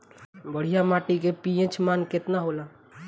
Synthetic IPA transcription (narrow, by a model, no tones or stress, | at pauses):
bəɽ̤ijamaʈikepiẽt͡ʃʰmanket̪naɦola